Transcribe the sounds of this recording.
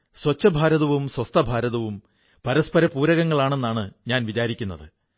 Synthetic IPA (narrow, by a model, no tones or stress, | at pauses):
swɐt͡ɕːɐbʱaːɾɐðɐʋumswɐst̪ʰɐbʱaːɾɐðɐʋum | pɐɾɐspɐɾɐpuːɾɐɣɐŋːɐɭaːɳe̞nːaːɳɨɲaːnʋit͡ɕaːɾikʲːunːɐðɨ